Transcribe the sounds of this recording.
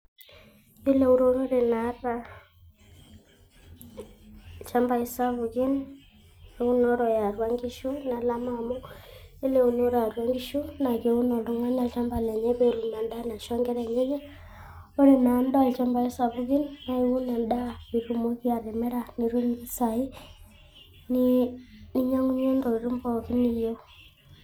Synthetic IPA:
e˦le˦˨u˦ɾo˦no˦ɾe˨na˨˦ra˦ | t͡ʃa˦mba˨i˦sa˦βu˨ɣi˦n | e˨u˦nɔ˦ɾɔ˨ja˨ɾwa˦ŋɡi˦ʃu˦na˨˦la˦ma˨mo˦e˦le˦u˨no˦ɾa˨ɾwa˦ŋɡi˦ʃu˦na˨ke˨u˦nɔ˨lo˦ŋwa˦ɲa˦˨t͡ʃa˦mba˨lɛ˨ɲɛ˦βe˦ɾu˨na˨nda˦na˨ʃɔ˦ŋɡɛ˦ɾɛ˨ɲe˦ɲɛ˦ | o˦ɾi˦na˨˦nda˦e˨t͡ʃa˦mba˨i˦sa˨βu˦ɣi˦nna˦e˦u˦na˨nda˦βi˨ɾu˦˨mo˦ki˦a˨ɾe˨mɛ˦ɾa˨ni˨ɾu˦misa˨i˦ | nini˦ɲa˦ŋu˦ɲe˦ndɔ˨i˨ɾu˦mbɔ˨ki˦ni˦˨jo˦

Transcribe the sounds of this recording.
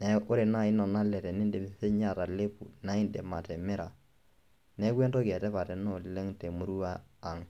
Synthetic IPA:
nɛ˦ʔʊ˦ɾe˨na˦˨i˦nɔ˨na˦lɛ˨ɾɛ˨ni˦nde˨m˨se˦ɲa˦˨ɾa˨le˦pṵ˨na˦i˦nde˨ma˨tɛ˨mɛ˦ɾa˨ | nɛ˦kwɛ˦nto˦kɛ˨tɛ˦pa˨tɛ˨nɔ˦˨le˦ŋte˨mu˦ɾu˦aː˦˨ŋ

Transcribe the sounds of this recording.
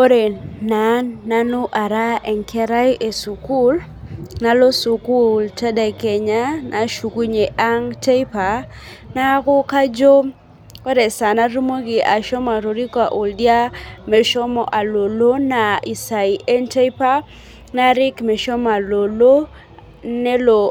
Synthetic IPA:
o˦ɾe˨na˨nːa˦no˦ʔa˨ɾa˦ʔɛ˨ŋkʰɛ˦ɾa˦jʔe˨su˨ku˦l | na˨lo˦su˨ku˦˨lta˦da˨kɛ˨ɲa˦nʔa˨ʃu˨ku˦ɲe˨ʔa˦ŋte˦jpa˨ | na˦kʊ˦ka˦d͡ʒo˦ | kɔ˦dɛ˨sa˨na˦ɾu˦mo˦ɡɪ˨ʔa˨ʃɔ˦ma˨ɾo˨ɾi˦ka˨ʔu˨ldja˦mɛ˨ʃɔ˦mɔ˨ʔa˨lo˨lo˦na˨i˨sa˨i˨ʔɛ˦ntɛ˦i˦pa˦ | na˦ɾɪ˦kmɛ˨ʃɔ˦ma˨lo˨lo˦ | nɛ˦lo˨

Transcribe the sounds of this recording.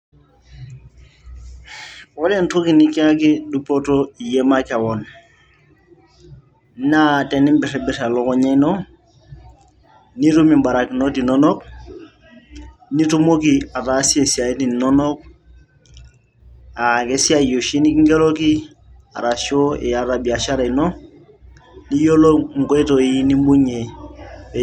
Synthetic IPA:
wo˦le˦nto˦ki˨ni˦ki˦a˦ki˦du˦po˦to˦i˨je˦ma˦ka˨wo˨n | na˦te˨ni˦mbi˨ɾe˨bi˨ɾa˨lo˦ko˦ɲe˦no˦ | ni˦tu˦mi˨mba˨ɾa˨ki˨no˦ti˨no˦no˦k̚ | ni˦tu˦mo˦ki˨a˨ta˨˦si˦e˨si˨a˨i˦ti˨n˨nɔ˦nɔ˦k̚ | a˨ke˦si˦a˦jo˨ʃi˦ni˦ki˦ŋɡe˦lo˦ki˦ | a̰˨ɾa˨ʃo˦ɛ˨a˨ɾa˨bi˨a˨ʃa˦ɾe˨no˦ | ni˦jo˦lo˦ŋ̩˨ɡɔ˦i˦to˨i˦ni˦mbu˦ɲe˨

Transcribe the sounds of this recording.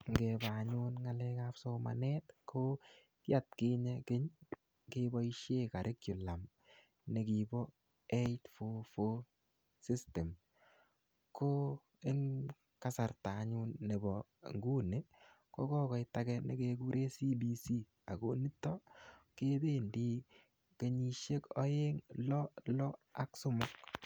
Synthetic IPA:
ŋɡɛba˨ɲʊ˦nŋa˨lɛkafso˦ma̰˨nɛ˦tkʰo | ka˦t̚ke˦ɲɛkɪ˦ɲ | kebɔ˦i˦ʃe˦ka˨ɾʔe˦kjʊ˨la˨m | ne˨ki˨bɔ˦ | e˦itfo˦fo˦ | si˦ste˨m | ko˦ | e˦ŋ | ka˦sa˨rta˨˦ɲu˦nnːe˨bɔ˨ | ŋɡu˦ne˨˦ | ko˦kɔ˦kɔ˨jta˦kɛnḛ˨ke˦ku˦ɾʔe˦si˦bi˦si˦ | a˨ko˨ni˦tːɔ˦ke˦de˦ndi˦ | ke˨ɲi˦ʃe˦kɔ˦je˦ŋlɔ˦lɔ˦a˦ksʊ˦mɔ˦k

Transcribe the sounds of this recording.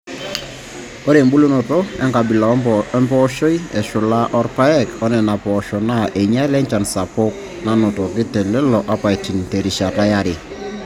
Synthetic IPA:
o˦ɾe˨mbu˦lu˦nɔ˨to˦ɛ̰˦ŋka˨bi˨la˨ɛ˦mpɔ˦ʃo˦i˦ɛ˨ʃʊ˨la˦ʔɔ˦ɾpa˦ɛ˦kɔ˦nɛ˨na˨pɔ˨ʃɔ˨na˦ʔe˨ɲa˦lɛ˦ɲt͡ʃa˨nsa˨po˦k̚ | na˨nɔ˨tɔ˨ɡɪ˦tɛ˨lɛ˦lɔ˨ʔa˦pa˨jti˨nte˨ɾi˨ʃa˨ta˦ja˦ɾɪ˨

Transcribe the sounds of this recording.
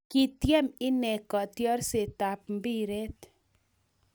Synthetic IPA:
kɪ˦tjɛ˦mɪ˦nɛ˨kɔ˨tjɔ˦rse˨ta˨p̚m˦bi˦ɾe˦t̪

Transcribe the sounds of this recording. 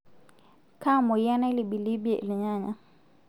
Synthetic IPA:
ka˦mɔ˨ja˦na˦li˨ɓi˨li˦bi˦ɛ˨li˨ɲa˦˨ɲa˨

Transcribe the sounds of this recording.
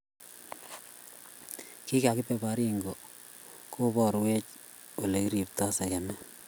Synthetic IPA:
ki˦ka˨kɪ˦pe˨ba˨ɾi˦ŋɡo˨ | ko˦bɔɾwe˦t͡ʃ | o˨le˨i˦ɾi˨p̚ta˦sa˨ja˨nɛ˦

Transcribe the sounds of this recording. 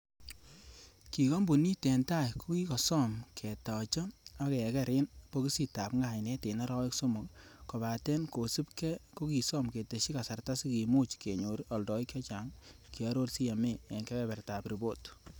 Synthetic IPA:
ki˨ko˦mbu˨ni˦tɛ˨nta˦jko˦ki˦kɔ˨sɔ˦mkʰɛ˨tɔ˨t͡ʃɔ˦a˦kɛ˨kɛ˦ɾe˦npo˦ki˦si˨ta˨pŋɡa˦˨nɛ˦te˨na˦ɾɔ˦ɪ˦kso˦mo˨kkɔ˨baː˨tɛ˦nko˨si˦pkɛ˦ko˦ki˨sɔ˦mke˨te˨ʃi˦ka˨sa˨rta˦si˦ki˨muː˦t͡ʃke˨ɲo˨ɾɔ˨ldɔ˨i˦kjɔ˦t͡ʃa˦ŋ | ki˨ɔ˦ɾo˦lsi˦ja˨me˦˨e˨ŋkɛ˦bɛ˦bɛ˨rtaː˨pɾi˨bo˦t

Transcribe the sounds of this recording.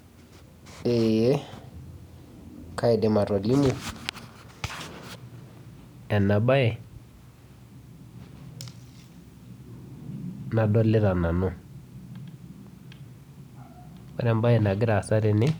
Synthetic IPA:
e˨je˦ | ka˦ɪ˨de˨ma˨ɾɔ˨li˦mu˨ | ɛ˨na˨ɓa˦ɛ˨ | na˨dɔ˦lɪ˦ɾa˨na˨nʊ˦˨ | wa˦ɾɛ˦mba˦ɛ˨na˨ɡɪ˦ɾa˨sa˦ɾɪ˨˦nɪ˦

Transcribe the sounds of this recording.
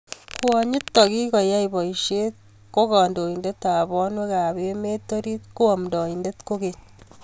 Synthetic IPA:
kwɔ˨ɲi˦tːɔ˨ki˦kɔ˨ja˦ibɔ˨iʃet̪̚ | ko˦kɔ˨ndo˨indet̪ːa˨bɔ˦nwe˦ka˨bemetoɾi˦t̪̚ku˦ɔ˨mdɔ˨indet̪ko˦keɲ

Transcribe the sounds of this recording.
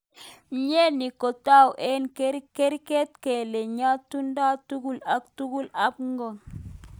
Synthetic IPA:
ɲe˦ni˨ko˨ta˦wʔɛ˦nke˦ɾke˦ɾke˦t̚kɛ˨le˨ɲa˦tu˦nda˦tu˦ɡu˦˨la˨k̚tu˦ɡu˦la˨˦p̚ŋɡɔ˨ŋ

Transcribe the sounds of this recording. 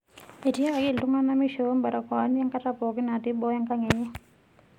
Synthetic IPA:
e˨tja˦ka˨ɡɪ˦˨ldu˦ŋa˦na˦mi˦ʃo˨˦mba˨ɾa˨kɔ˨˦n˦ja˦ŋka˦ta˦pɔ˨ɡɪ˦na˨tɪ˦bɔ˦ja˦ŋka˦ŋɛ˨ɲɛ˦

